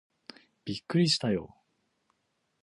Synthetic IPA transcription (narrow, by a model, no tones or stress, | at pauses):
b̥ʲikːɯ̟ɾʲiɕi̥t̪ajo̰ː